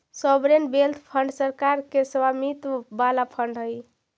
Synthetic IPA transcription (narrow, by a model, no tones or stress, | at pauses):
sɔbɾenbelt̪ʰpʰəɳɖsəɾkaɾkesəwamit̪balapʰəɳɖɦəj